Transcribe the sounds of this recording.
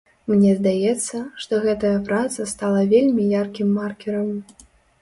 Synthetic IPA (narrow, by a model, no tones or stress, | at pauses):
mnʲɛzd̪ajɛt̪sːɐʂt̪ɔɣɛt̪ɐjɐpɾat̪sɐst̪alˠɐvʲelʲmʲijarkʲimːarkʲɛɾɐm